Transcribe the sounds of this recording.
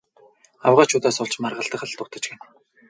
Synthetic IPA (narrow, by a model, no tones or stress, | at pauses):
awʁaːt͡ɕʰuːt̪aːsʊɮt͡ɕmarʁə̆ɬt̪ə̆χə̆ɮt̪ʊt̪ə̆t͡ɕɡen